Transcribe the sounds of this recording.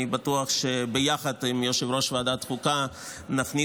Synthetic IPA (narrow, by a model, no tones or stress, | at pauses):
ibat̪uaχʃebejaχad̪imjoʃevʁo̞ʃvead̪at̪χuka | nafni